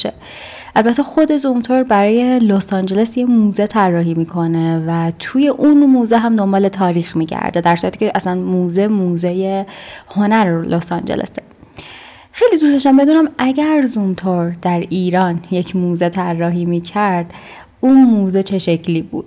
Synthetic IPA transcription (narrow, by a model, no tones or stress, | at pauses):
e | ʔælbæt̪ʰːexo̞d̪e̞zumt̪ʰoɾbæɾɒːje̞losɒnd͡ʒe̞lesjemuːzet̪ʰærːɒːɦiːmiːkʰo̞nevæt̪ʰuːje̞ʔunmuːzeɦæmd̪o̞mbɒːle̞t̪ʰɒːɾiːxmiːɟæ̰ɾd̪ed̪æɾsuɾæt̪i̥ːcʰʲeʔæsænmuːzemuːzejeho̞næɾlʔosɑnd͡ʒḛlʔḛse | xe̞jlid̪ust̪eʃ̬æmbe̞d̪uːnæmʔæɟæɾzumt̪ʰoɾd̪̥æɾiːɾɒːnje̞cʰmuːzet̪ʰærːɒːɦiːmiːcʰæɾd̪̥ | unmuːzet͡ʃʰe̞ʃecʰliːbṵːd̪̥̚